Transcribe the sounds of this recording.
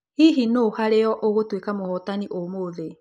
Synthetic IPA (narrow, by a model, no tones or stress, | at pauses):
hiɦinohaɾeɔʔoɣotwekamohɔtaniʔomoðe